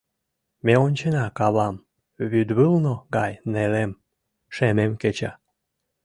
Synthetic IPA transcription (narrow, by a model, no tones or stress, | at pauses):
meonʲt͡ɕenɑkɑβɑm | βyd̪βɨlnoɡɑjnelem | ʃememket͡ɕɑ̰